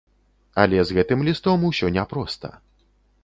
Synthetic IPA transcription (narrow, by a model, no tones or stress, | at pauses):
ɐ̰lʲɛzɣɛt̪ɨmlʲist̪ɔmusʲɔnʲɛpɾɔst̪ɐ̰